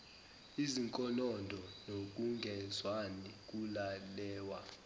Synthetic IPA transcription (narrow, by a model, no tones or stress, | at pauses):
iziŋkʼɔnɔndʱɔnok̬ʼuŋɡʱɛzwanik̬ʼulalɛːwa